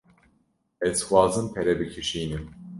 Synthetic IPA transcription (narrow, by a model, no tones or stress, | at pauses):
ɛz̥xwɑːzɨnpʰɛɾɛbɨkʰɨʃiːnɨm